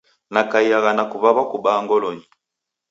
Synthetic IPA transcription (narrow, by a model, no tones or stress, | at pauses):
nakaiaɣanakuβaβakubaŋɡɔlɔɲi